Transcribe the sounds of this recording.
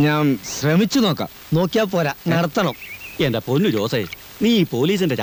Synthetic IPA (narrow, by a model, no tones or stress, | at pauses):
ɲaːmɕremit͡ɕːuno̞ːkːa̰ | no̞ːkːijaːpːoːɾɐnɐɽɐt̪ːɐɳɐmendeponːuɾoːsɐj | niːpo̞ːliːs̬indet͡ɕː